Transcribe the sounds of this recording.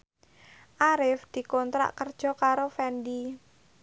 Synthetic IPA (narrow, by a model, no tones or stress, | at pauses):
ʔaɾɪfd̪̥i̤kɔnt̪ɾa̰ʔkərd̥ʒ̥ɔ̤kaɾofɛndi